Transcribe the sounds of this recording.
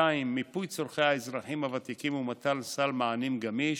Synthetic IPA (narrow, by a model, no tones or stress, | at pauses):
aimːipujt͡soɾχejaezʁaχimavat̪ikimumat̪alsalmaanimɡamiʃ